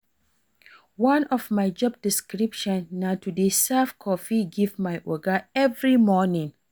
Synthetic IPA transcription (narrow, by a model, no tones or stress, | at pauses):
wãnɔvmajd͡ʒɔb̚diskɹipʃɔ̃nːatudesɛfkʰɔfiɡivmajʔɔɡəɛvɹimɔnĩŋ